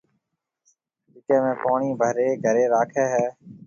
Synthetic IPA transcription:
ɪt̪ẽːmẽːpaːɳiːbʱəɦɾeːɡʱəɾeːɾaːkʰɛːɦɛː

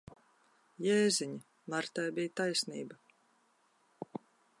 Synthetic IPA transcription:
jɛːziɲi | maɾt̪ajbijt̪ajsʲniːba

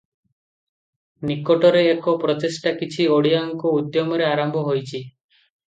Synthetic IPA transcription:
nikɔʈɔɾeːkɔpɾɔt̪esʈakit͡ʃʰioɽijaŋkɔud̪jɔmɔɾeaɾɔmbʱɔɦojt͡ʃʰi

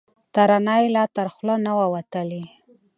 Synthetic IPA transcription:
t̪aɾanajlɑt̪əɾxlənawawat̪əli

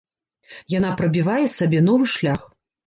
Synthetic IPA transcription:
janapɾɐbʲivajɛsabʲɛnɔvɨʂlʲax

